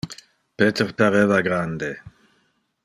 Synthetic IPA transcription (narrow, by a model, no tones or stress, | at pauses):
pet̪eɾpaɾevaɡɾand̪e